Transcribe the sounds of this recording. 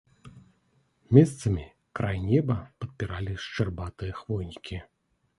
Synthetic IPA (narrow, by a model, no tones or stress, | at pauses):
mʲɛst̪sɐmʲi | kɾʔajnʲɛbɐpɐt̪̚pʲiɾalʲiʂt͡ʂɨrbat̪ɨjɐxvɔjnʲikʲi